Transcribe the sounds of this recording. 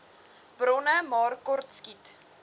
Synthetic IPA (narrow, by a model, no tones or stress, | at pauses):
b̥rɔnəmɑːrkɔrtskit